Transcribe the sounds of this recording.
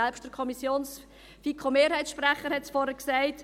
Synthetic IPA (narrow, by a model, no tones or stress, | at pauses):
ɛlpʃt̚d̥əɾkʰɔmisjoːns | fikʰχomeːɾhɛɪt͡ssʃpræχːəɾhɛtsfɔɾəksæɪt